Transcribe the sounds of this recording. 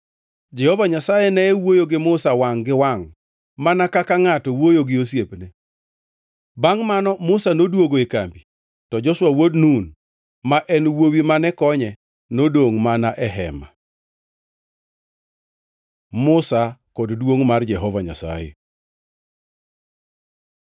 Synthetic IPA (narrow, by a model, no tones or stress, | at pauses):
d͡ʒɛhɔvaɲasajenɛɛwojoɡɪmʊsawaŋɡɪwaŋ | manakakaŋatɔwojoɡɪosjepne | baŋmanɔmʊsanodwoɡoekambi | tɔd͡ʒɔswawodnun | maʔɛnwowimanɛkɔɲɛ | nodoŋmanaʔɛɦɛ̰ma | mʊsakoddwoŋmard͡ʒɛɦɔvaɲa̰sa̰jḛ